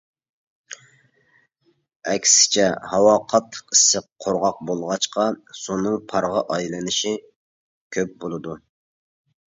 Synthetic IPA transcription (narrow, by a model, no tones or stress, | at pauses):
ɛkʲsɪ̥t͡ʃʰɛhɑwɑːqʰɑt̪ʰə̥qisːəqʰːoɾʁɑq̚bolˠʁɑt͡ʃqʰɑsonːɨŋpʰɑɾʁɑʔɑjlˠɨnɨʃi | kʲʰøp̚bolˠɨd̪u